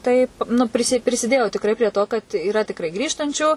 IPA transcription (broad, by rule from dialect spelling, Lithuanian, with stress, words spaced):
ˈtɐɪp nʊ ˈpʲrʲɪsʲɪ pʲrʲɪsʲɪˈdʲeːjoː tʲɪkˈrɐɪ pʲrʲiɛ ˈtoː kɐt iːˈrɐ tʲɪkˈrɐɪ ˈɡrʲiːʃtɐnʲt͡ʃʲuː